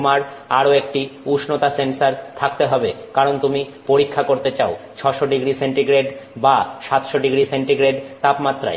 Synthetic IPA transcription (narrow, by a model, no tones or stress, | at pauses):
maɾaɾoek̚ʈiuʃnot̪asensaɾt̪ʰak̚t̪eɦɔbekaɾont̪umipoɾikʰːakoɾt̪et͡ɕaot͡ɕʰɔʃoɖiɡɾiseɳʈiɡɾeɖbaʃat̪ʃoɖiɡɾiseɳʈiɡɾeɖt̪apmat̪ːɾa̰e